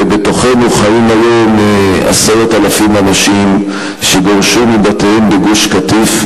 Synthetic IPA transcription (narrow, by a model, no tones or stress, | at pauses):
beto̞χe̞nuχaimajoma̰seʁot̪alafimanaʃim | ʃeɡoʁʃumibat̪eimbeɡuʃkat̪if